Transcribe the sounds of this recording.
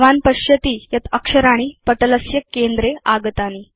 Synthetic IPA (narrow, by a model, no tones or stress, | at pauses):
ʋanpəɕjət̪iːjɐt̪əkʂəɾaɽ̃iːpəʈələsjəkːend̪ɾeaɡət̪ani